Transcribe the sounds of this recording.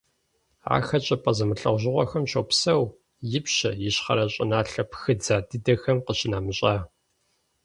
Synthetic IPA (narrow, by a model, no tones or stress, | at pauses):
a̰ːxɐt͡ʃʼɐpʼɐzɐmɨɬɐʁʷʑɪʁʷɔxɐmʃɐwpsɐw | jɪpɕɐjɪɕχɐ̰ɾɐɕʼɪ̰naːɬɐpxɨd͡zaːdɨdɐxɐmqəɕɪnaːmɨɕʼaː